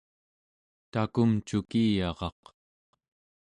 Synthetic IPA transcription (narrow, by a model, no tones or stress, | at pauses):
t̪akumt͡ʃukijɑʁɑ̰q